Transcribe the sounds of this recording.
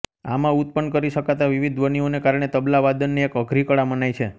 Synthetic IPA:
a̰mãut̪̚pəɳkəɾiʃəkat̪aʋiʋid̪ʋənionekaɾɳ̃et̪əblaʋad̪ənːeekəɡʱɾikəɭamənajt͡ʃʰe

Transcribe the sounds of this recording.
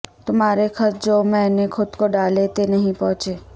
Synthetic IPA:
t̪ʊmɦaːɾekʰɐɾd͡ʒoːmɛ̃ːnekʰʊd̪koɖaːlet̪enɐɦĩpɔ̃ɦːt͡ʃeː

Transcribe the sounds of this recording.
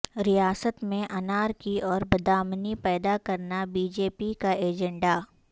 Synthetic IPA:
ɾijaːsət̪mẽʔɐnaːɾkiʔɔːɾbɐd̪aːmnipɛːd̪akɐɾnabiːd͡ʒeːpikaeːd͡ʒɛ̃ɳɖa

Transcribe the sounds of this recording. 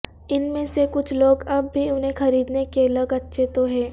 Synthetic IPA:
ɪnmẽsekʊt͡ʃʰloːɡɐbːiʊnɦẽxɐɾiːd̪nekeɐləɡɐtːʃʰet̪oɦɛː

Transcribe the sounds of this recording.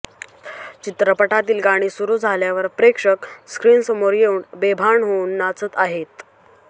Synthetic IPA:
t͡ɕit̪ɾəpəʈat̪iːlɡaɽ̃iːsuɾuːd͡zʱaljaʋəɾpɾekʂəkskɾiːnsəmoɾjeuɳbebʱaɳɦounːat͡sət̪aɦet̪

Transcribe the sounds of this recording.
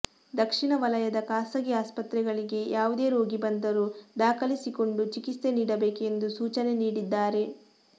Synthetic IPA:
d̪ɐkʂiɳɐʋɐlɐjɐd̪ɐkaːsɐɡiaːspɐt̪ɾɛɡɐɭiɡe̞jʔaːʋud̪e̞ːɾo̞ːɡibɐnd̪ɐɾud̪aːkʰɐlisiko̞ɳɖut͡ʃikite̞niːɽɐbe̞ːke̞nd̪usuːt͡ʃɐne̞niːɽid̪ːaːɾe̞

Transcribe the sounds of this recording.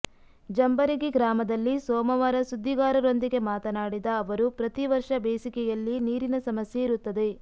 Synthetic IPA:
d͡ʒɐmbɐɾiɡiɡɾaːmɐd̪ɐlːisɔːmɐʋaːɾɐsud̪ʱːiɡaːɾɐɾo̞nd̪iɡe̞maːt̪ɐnaːɽid̪ɐːʋɐɾupɾɐt̪iʋɐɾʂɐbeːsikɛjɐlːiniːɾinɐsɐmɐsjeiɾut̪ːɐd̪e̞

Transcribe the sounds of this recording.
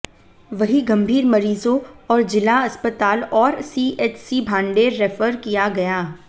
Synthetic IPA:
ʋɐɦiɡɐ̃mbʱiːɾmɐɾiːzõɔːɾd͡ʒɪlaɐspət̪aːlɔːɾsiːʔeːt͡ʃsibʱãːɳɖeːɾːefəɾkijaɡɐjaː

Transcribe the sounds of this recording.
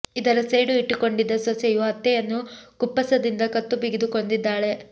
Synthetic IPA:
id̪ɐɾɐseːɖuiʈːuko̞ɳɖid̪ːɐsosɛjuɦɐt̪ːɛjɐnːukupːɐsɐd̪ind̪ɐkɐt̪ːubiɡid̪uko̞ɳɖid̪ːaːɭe̞

